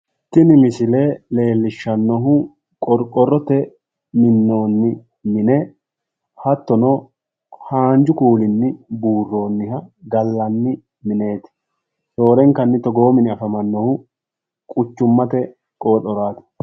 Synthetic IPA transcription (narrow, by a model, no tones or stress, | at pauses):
t̪ːɪnɪmɪsɪleːle̞ːlːɪʃːɐnːɔɦʊ | kʼɔɾkʼːɔrːɔt̪ɛ | mɪnːo̞ːnːɪ | mɪnɛ | hɐt̪ːɔnɔ | haːnd͡ʒʊkuːlɪnːɪbuːrːo̞ːnːɪhɐɡɐlːɐnːɪ | mɪne̞ːt̪ɪ̥ | so̞ːɾɛŋkɐnːɪt̪ɔɡo̞ːmɪnɪɐfɐmɐnːɔhʊ | kʼʊt͡ʃːʊmːɐt̪ɛ | kʼo̞ːt̪ʼɔɾaːt̪ɪ̥